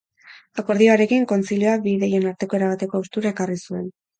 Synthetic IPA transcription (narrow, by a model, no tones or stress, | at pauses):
ako̞ɾðio̞aɾe̞kiŋko̞nt͡silijo̞abiðeje̞naɾt̪e̞ko̞e̞ɾaβat̪e̞ko̞ust̪uɾae̞karisue̞n